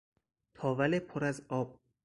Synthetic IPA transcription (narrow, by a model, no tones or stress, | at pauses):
t̪ʰɒːvælepʰoɾæzɒːb̥̚